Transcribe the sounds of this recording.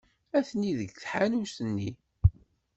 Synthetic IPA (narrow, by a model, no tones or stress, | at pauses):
æθniðəɡθħanusənːi